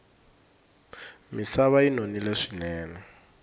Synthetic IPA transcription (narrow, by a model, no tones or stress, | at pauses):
misaβainonilɛʂi̥nɛːnɛ